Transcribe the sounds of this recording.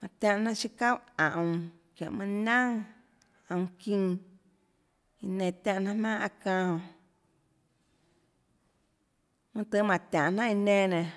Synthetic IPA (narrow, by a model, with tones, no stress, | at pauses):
mã˨t̪ʲã˧ʔnã˦ʔʃi˦ka˦wã˨ʔ | kjã̰˨ʔmã˧˦nã˦ŋ | ã˧w̃kĩ˦˧ | i˧nẽ˧˨t̪ã˧ʔnã˦hmã˦ʔa˧kã˧hõ˧˨ | mɨ̃˦t̪ɨ˧˦mã˨t̪ʲã˨ʔnã˦i˧nẽ˧nẽ˨